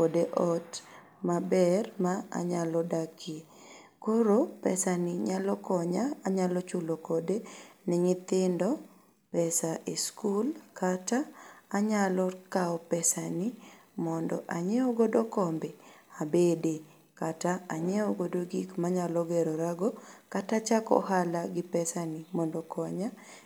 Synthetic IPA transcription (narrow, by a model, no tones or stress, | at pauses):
kodeʔɔt | mabɛrmaa̰ɲalɔdakʰe | koɾopɛ̰sanɪɲalɔkɔɲaaɲalɔt͡ʃʊlokodenɪŋɪt̪ɪndɔ | pɛsaʔeskulkataːɲalɔkaɔpɛsanimɔndɔ̰ʔaɲeoɡodokɔmbɛabede | kataaɲeoɡodoɡikmaɲalɔɡɛɾoɾaɡokatat͡ʃakɔ̰ɦalaɡɪpɛsanimɔndɔkʰɔɲa